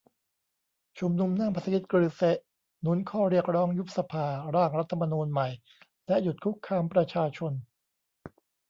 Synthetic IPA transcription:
t͡ɕʰu˧mnu˧mnaː˥˩ŋpʰa˧˥sa˧i˦˥t̪̚kɾɯː˧se˦˥ʔ | nu˦˥nkʰɔː˥˩ɾi˥˩ək̚ɾɔː˦˥ŋju˦˥p̚sa˧pʰaː˧ɾaː˥˩ŋɾa˦˥t̪ʰːa˧ma˧nuː˧nma˨˩j | lɛ˦˥ʔju˨˩t̪̚kʰu˦˥kʰːaː˧mpɾa˧t͡ɕʰaː˧t͡ɕʰo˧n

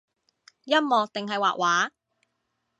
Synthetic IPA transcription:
jɐ˥mmɔː˨˧t̪ɪ˨ŋɦɐ˨jwa̰ː˨ʔ̚wʔaː˨˥

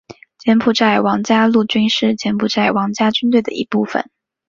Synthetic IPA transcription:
t͡ɕjɛ˧˥npʰu˨˩t͡sa˥˩ɪwɑ˧˥ŋt͡ɕja˥lu˥˩t͡ɕy˥nʂɻ̩˥˩t͡ɕjɛ˧˥npʰu˨˩t͡sa˥˩ɪwɑ˧˥ŋt͡ɕja˥t͡ɕy˥nt̪we˥˩ɪd̪ə̰˨˩ḭ˧˥pu˥˩fə̰˨˩˦n

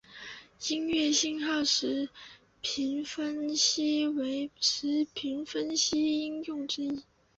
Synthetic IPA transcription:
i˥ŋɥɛ˥˩ɕi˥˧ŋxɑ˥˩ʊʂɻ̩˧˥ | pʰi˧˥nfə˥nɕi˥we˧˥ɪʂɻ̩˧˥pʰi˧˥nfə˥nɕi˥i˥njʊ˥˩ŋʈ͡ʂɻ̩˥i˥˩

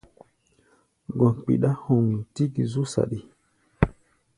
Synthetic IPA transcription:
ɡɔ˨nk͡pḭ˨ɗa˦hɔ˨ŋi˨ti˦ɡi˨zu˦sa̰˨ɗi˨

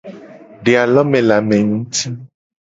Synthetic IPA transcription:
ɖe˨a˨lɔ˦mɛ̃˨la˨mɛ̃˨ŋũ˦ti˦

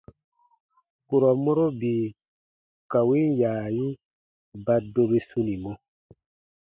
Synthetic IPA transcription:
ku˨ɾɔ˨mo˦ɾo˦bi˨ | ka˨wi˦jaː˨ji˦ | ba˨do˦be˦su˦ni˨mo˦

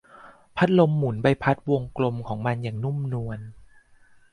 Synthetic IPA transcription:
pʰa˦˥t̪̚lo˧mːu˨˩˦nba˧jpʰa˦˥t̪̚wo˧ŋklo˧mkʰɔː˩˦ŋma˧njaː˨˩ŋnu˥˩˨mnu˧ən

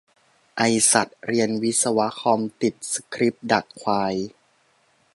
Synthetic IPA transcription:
ʔa˧jsa˨˩t̪̚ɾi˧ənwi˦˥t̪̚sa˧wa˦˥kʰɔː˧mt̪i˨˩t̪̚skʰɾi˦˥p̚da˨˩k̚kʰwaː˧j

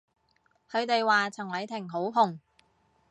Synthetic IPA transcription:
kʰɵ˨˧ɥt̪e˨jwaː˨t͡sʰɐ˨˩ŋlɐ˨˧jt̪ʰɪ˨˩ŋɦo˨˥wɦʊ˨˩ŋ

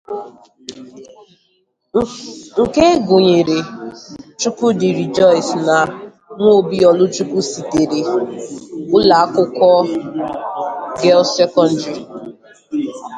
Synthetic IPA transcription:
ŋ̩˨ke˦ɡʊ˨ɲe˨ɾe˨ | t͡ʃu˦ku˦dɪ˨ɾi˨d͡ʒɔ˦ɪ˨sna˨ | ŋʷo˦˨bi˦ɔ˨lʊ˦t͡ʃu˦ku˦si˨te˨ɾe˨ | ʊ˦la˨a˦kʊ˦kɔ˦ | ɡɛ˦lsɛ˦kɔ˦n̩˦di˨

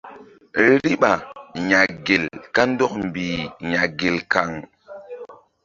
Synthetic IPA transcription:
ɾi˦ɓa˨ɲa˨ɡe˨lka˦n˦dɔ˦kmbiː˨ɲa˨ɡe˨lka˨ŋ

